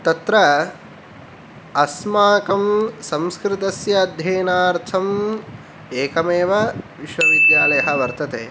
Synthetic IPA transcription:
t̪ɐt̪ɾɐ | ɐsmaːkɐmsɐ̃mskɾɪt̪ɐsjɐːd̪ʱjeːnaːɾt̪ʰɐm | eːkɐmeːʋɐʋiʃʋɐʋid̪jaːlɐjɐɦɐʋɐɾt̪ɐt̪eː

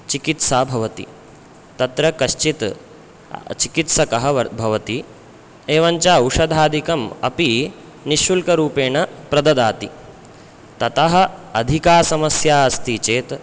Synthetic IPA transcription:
t͡ʃikit̪saːbʱɐʋɐt̪ḭ | t̪ɐt̪ɾɐkɐʃt͡ʃit̪ | t͡ʃikit̪sɐkɐɦɐ̆ɐbʱɐʋɐt̪i | eːʋɐɲt͡ʃaːuʂɐd̪ʱaːd̪ʱikɐmɐ̰pi | niʃulkɐɾuːpeːɳɐpɾɐd̪ɐd̪aːt̪i | t̪ɐt̪ɐɦɐ̆ɐd̪ʱikaːsɐmɐsjaːɐst̪iːt͡ʃeːt̪

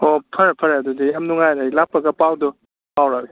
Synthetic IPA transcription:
ɔpʰɐɾapʰɐɾaɐdɔdijamnuŋajɾailapːɐɡɐpawdɔ | pawɾabi

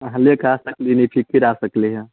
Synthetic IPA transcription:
ɐɦãlekasəklinipʰikiɾasəkleɦã

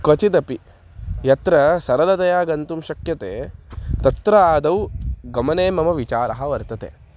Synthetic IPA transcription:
kot͡ʃid̪ɐpi | jɐt̪ɾɐsɐɾɐlɐt̪ɐjaːɡɐnt̪umʃɐkjɐt̪eːt̪ɐt̪ɾɐaːd̪ɐwɡɐmɐneːmɐmɐʋit͡ʃaːɾɐɦɐʋɐɾt̪ɐt̪ḛː

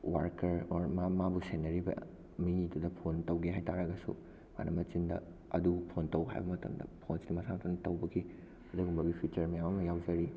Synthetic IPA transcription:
waɾkɐɾoɾmamabusenɐɾibɐ̰ | miidudɐpʰontɐwɡiɦajtʰaɾɐɡɐsṵ | ma̰nʔɐmɐt͡ʃindɐ̰ | ɐ̰dupʰontɐwɦa̰jbɐmɐtɐ̰mdɐ̰pʰonsnimɐsamɐtɐndɐtɐwbɐɡi | ɐduɡumbɐɡipʰit͡ʃɐɾmɐjamɐmɐjawd͡ʒɐɾi

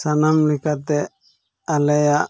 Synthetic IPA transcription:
sanamlɛkat̪ɛ | alɛja

